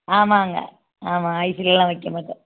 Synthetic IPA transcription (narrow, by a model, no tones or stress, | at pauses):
aːmaːŋɡɐ̰ | aːmaːɐɪsɪlɛlːãːʋɐɪkːɐmaːʈːɐ̃